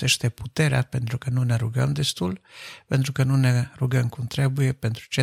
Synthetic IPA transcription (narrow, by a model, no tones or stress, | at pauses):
eʃt̪eput̪eɾea̰pent̪ɾukənuneɾuɡə̰md̪est̪ulpent̪ɾukənuneɾuɡəmkunt̪ɾebujepent̪ɾut͡ʃe